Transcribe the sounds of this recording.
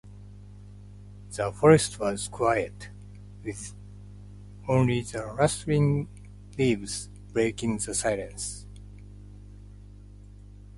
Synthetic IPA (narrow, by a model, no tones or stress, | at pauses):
ð̥əfɔɹestʰwʌz̥kʰwajət | wið | õnliðəɹʌstɹĩŋ | livz̥ | b̥ɹeɪkĩŋðəsaɪlə̃ns